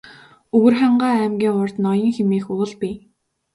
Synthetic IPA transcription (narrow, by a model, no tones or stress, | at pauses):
ɵɣɵ̆rχæɴɢaːæːmɡʲiːŋʊrt̪nɔjɞ̆ŋxemiːxʊɮpi